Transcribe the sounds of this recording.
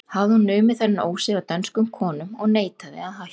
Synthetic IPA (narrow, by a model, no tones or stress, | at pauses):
havðɪhunːœːɥmɪθanːɪno̰ːwsɪvat̪anskʏmkʰɔːnʏmɔɣneːjt̪aðɪ̰aðɦa